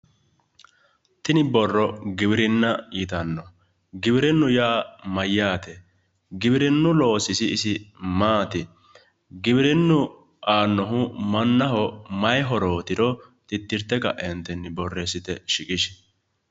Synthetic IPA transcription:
t̪ɪnɪbɔrːɔɡɪbɪɾɪnːɐjɪt̪ɐnːɔ | ɡɪbɪɾɪnːʊjaːmɐjːaːt̪ɛ | ɡɪbɪɾɪnːʊlo̞ːsɪsɪːsɪmaːt̪ɪ | ɡɪbɪɾɪnːʊ | ʔaːnːɔɦʊmɐnːɐɦɔmɐjɦɔɾo̞ːt̪ɪɾɔt̪ɪt̪ːɪɾt̪ːɛkɐ̰ʔɛnt̪ɛnːɪbɔrːesɪt̪ɛʃɪkʼɪʃ

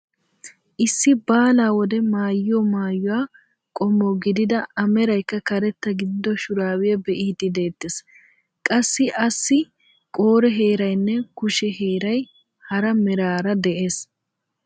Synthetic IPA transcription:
ʔɪsːɪbaːlaːwɔd̪ɛmaːjːɪɔmaːjːʊwaː | kʼɔmːɔɡɪd̪ɪd̪ɐɐmɛɾɐjkːɐkɐɾɛt̪ːɐɡɪd̪ɪd̪ːɔʃʊɾaːwɪjɐbɛʔiːd̪ɪd̪e̞ːd̪ːes | kʼɐsːɪʔɐsːɪ | kʼo̞ːɾɛɦe̞ːɾɐjnːɛkʊʃɛhe̞ːɾɐj | hɐɾɐmɛɾaːɾɐd̪ɛʔeːs

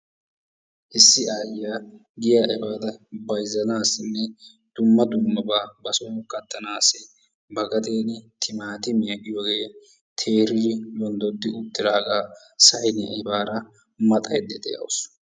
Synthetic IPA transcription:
ʔɪsːɪaːjɪjaː | ɡɪjaːʔɛbaːt̪ɐbɐjzːɐnaːsːɪnːɛ | d̪̥ʊmːɐd̪ʊmːɐbaːbɐsoːkɐt̪ːɐnaːsɛ | bɐɡɐt̪eːnɪt̪ʰɪmaːt̪ɪmɪjɐɡɪjoɡeː | t̪ʰeːɾɪd͡ʒɪwɔnd̪ɔd̪ːɪʊt̪ːɪɾaːɡaː | sɐjɪnɛʔɪbaːɾɐ | mɐt̪ʼɐjd̪ːɛd̪ɛjɐ̰wʊs

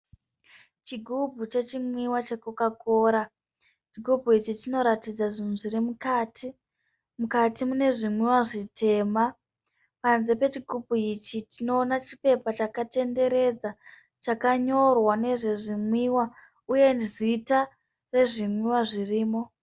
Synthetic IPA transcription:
t͡ʃiɡʱubʱut͡ʃe̞t͡ʃimwiwat͡ʃekukakoːɾa | t͡ʃiɡʱubʱuit͡ʃitino̞ɾatid͡zaʐinuʐiɾimukatʰi | mukatimune̞ʐimwiwaʐitʰe̞ma | panze̞pe̞t͡ʃiɡʱubʱuit͡ʃitino̞ːnat͡ʃipe̞pat͡ʃakate̞nde̞ɾe̞d͡za | t͡ʃakaɲo̞rwane̞ʐe̞ʐimwiwa | uje̞nzita | re̞ʐimwiwaʐiriːmo̞

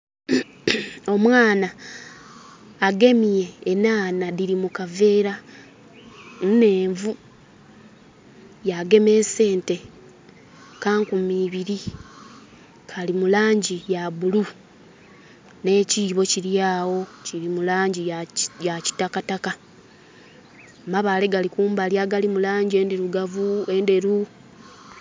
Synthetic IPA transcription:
o̞mwaːna | ɡe̞mije̞ːnaːnaðiɾimukave̞ːɾa | nne̞ːɱvu | jaɡe̞me̞ːse̞ːnte̞ | kaːŋkumiːβiɾi | kʰalimulaːɲɟijaβulu | ne̞ːciːβo̞ciɾjaːwo̞ciɾimulaːɲɟijaci̥takataka | maβale̞ɡalikuːmbaljaɡalimulaːɲɟie̞ndeɾuɡavuende̞ɾu

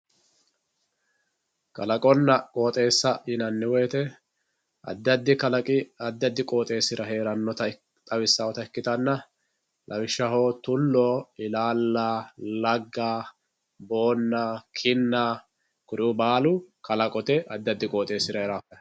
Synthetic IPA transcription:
kʼɐlɐkʼɔnːɐkʼo̞ːt̪ʼe̞ːsːɐɪnɐnːɪwɛjːt̪ɛ | ɐ̰d̪ːɐd̪ːɪkɐlɐkʼɪɐd̪ːɐd̪ːɪkʼo̞ːt̪ʼe̞ːsɪɾɐɦe̞ːɾɐnːɔt̪ɐ | t̪ʼɐwɪsːaːwɔt̪ɐɛkːɪt̪ɐnːɐ | lʔɐwɪʃːɐɦoːt̪ʊlːoɪlaːlːalɐɡːaː | bo̞ːnːɐkʰɪnːa | kʊɾɪʊbaːlʊkʰɐlɐkʼɔt̪ɛɐd̪ːɐd̪ːɪkʼoːt̪ʼe̞ːsɪɾɐhɛɾaːfɐɐ

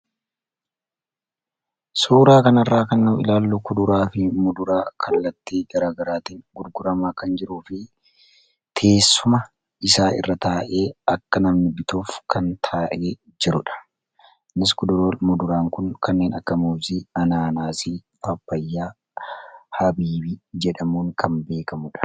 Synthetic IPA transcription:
suːɾaːkɐnɐrːaːkɐnːɐɪ̰laːlːuːkʊd̪ʊɾaːfɪmʊd̪ʊɾaːkʰɐlːɐt̪ːiːɡɐɾaːɡɐɾaːt̪iːŋɡʊɾɡʊɾɐmaːkɐnd͡ʒɪɾuːfɪ | t̪ʰe̞ːsːʊmɐ | ɪsaːɪ̰rːɐt̪aːʔe̞ːɐkːɐnɐmnɪbɪt̪uːfkɐnt̪ʰaːʔeː | d͡ʒɪɾʊᶑɐ̥ | nɪskʊd̪ʊɾmʊd̪ʊɾaːŋkʊnkʰɐnːe̞ːnɐ̰kːɐmuːziɐnaːnaːsifɐbːɐjːaː | hɐbiːbid͡ʒɛᶑɐmuːŋkɐnbe̞ːkɐmʊᶑɐ̥

